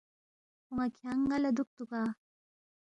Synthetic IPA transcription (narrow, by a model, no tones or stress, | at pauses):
huŋakʰaŋɡalad̪uk̚t̪ukaː